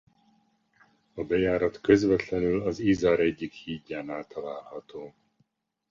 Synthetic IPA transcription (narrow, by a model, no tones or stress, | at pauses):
ɒbɛjaːɾɒt̪køzvɛt̪lɛnylɒzizɒɾɛɟːikhiːɟːaːnaːlt̪ɒlaːlhɒt̪oː